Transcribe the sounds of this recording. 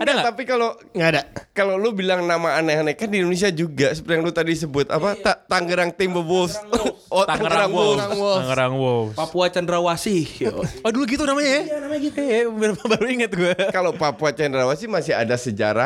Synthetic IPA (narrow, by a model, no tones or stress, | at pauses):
adat̪apikalo | ŋɡadakalolubilaŋnamaːnaɦanakandindones̬iad͡ʒuɡasəpərt̪ijaŋlut̪adis̬əbʊt̪a̰pat̪at̪aŋɡəɾaŋt̪embəbos | ɔt̪aŋɡəɾaŋoŋwoŋəɾaŋwopapuat͡ʃandɾawasɪhɔduluɡit̪unamaɲaanamaɲaɡikambəɾpabaɾuiŋət̪̚ɡuakalopapuat͡ʃandəɾawasimasɪɦa̰dasəd͡ʒa̰ɾa̰